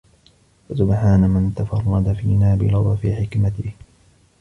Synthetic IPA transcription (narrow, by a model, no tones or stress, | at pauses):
wasʊbħaːnamɪnt̪afɑrˤːɑd̪afiːnaːbɪ̰lɑwˤafiːħɪkmat̪ɪh